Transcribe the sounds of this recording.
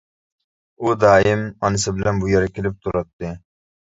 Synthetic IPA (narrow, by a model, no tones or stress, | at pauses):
ud̪ɑːɪmɑnɨsɪbɪlɛnbujɛɾɛkʲʰɪlɪp̚t̪ʰuɾɑt̪ːɨ